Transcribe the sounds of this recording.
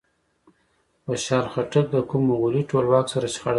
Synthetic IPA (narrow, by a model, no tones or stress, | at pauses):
pəʃɑɾxaʈək̚d̪əkumoɣʊliʈolwɑksaɾaʃxaɽ